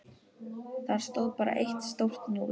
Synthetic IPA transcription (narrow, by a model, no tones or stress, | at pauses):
θaɾ̥st̪owðpaːɾa̰ʔejht̪st̪owr̥t̪nu